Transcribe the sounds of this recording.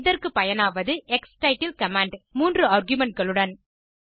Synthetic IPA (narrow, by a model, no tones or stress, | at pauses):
ɪðɐrkɯpɐjɐnaːʋɐðɯʔɛksʈɐɪʈːɪlkɐmaːɳɖmuːndrɯaːɾɡjʊmɛɳʈ̚ɡɐɭɯɽɐn